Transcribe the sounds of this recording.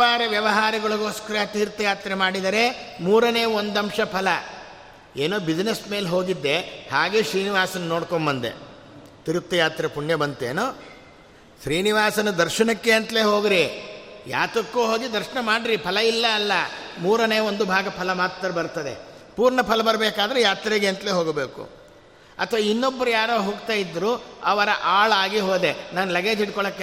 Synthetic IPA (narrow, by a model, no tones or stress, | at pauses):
aːɾɐʋjɐʋɐɦaːɾɐɡɐɭuɡoːskɐɾɐt̪iiɾut̪ːɐjaːt̪ɾemaːɽid̪ɐɾemuːɾɐne̞ːond̪ɐmʂɐpʰɐlɐ | eːnoːbid͡ʒnesme̞ːlɦoːɡid̪ːe̞haːɡeːʃɾiːniʋaːsɐnunoːɽkombɐnd̪ḛ | t̪iɾut̪ːɐjaːt̪ɾepuɳjɐbɐnt̪eːno | ʃɾiːniʋaːsɐnud̪ɐɾʃɐnɐkːeɐnt̪leːɦo̞ːɡiɾija̰ːt̪ɾɐkːuːɦoːɡid̪ɐɾʃɐnɐmaːɽiɾipʰɐlɐilːɐːlːɐmuːɾɐne̞ːʋond̪ubʱaːɡɐpʰɐlɐmaːt̪ːɐɾɐbɐɾt̪ɐd̪ḛpuːɾɳɐpʰɐlɐbɐɾɐbeːkaːd̪ɐɾejaːt̪ɾeɡeɐnt̪ɐleːɦoːɡbeːkṵ | ɐ̰t̪ʰɐʋainːobːɐɾujaːɾoːɦoːɡt̪aːjid̪ːɾuɐʋɐɾɐʔaːɭaːɡiɦoːd̪e̞naːnulɐɡe̞ːd͡ʒiʈkɔɭɐkːe